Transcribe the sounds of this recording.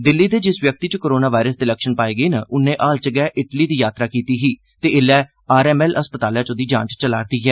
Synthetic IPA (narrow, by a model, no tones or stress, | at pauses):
d̪ɪlːiːd̪eːd͡ʒɪsʋjək̚t̪iːt͡ʃəkoːɾoːnaːʋaːɪɾəsd̪eːləkʃənpaːiːɡəiːnəʔʊnẽːʔaːlt͡ʃəɡɛːʔɪʈliːd̪iːjaːt̪ɾaːkiːt̪iːɦiː | t̪eːɪlɛː | aːɾɛːmɛːləspət̪aːljãːt͡ʃõːd̪iːd͡ʒã̰ːɲt͡ʃt͡ʃəlaːɾd̪iːɦɛː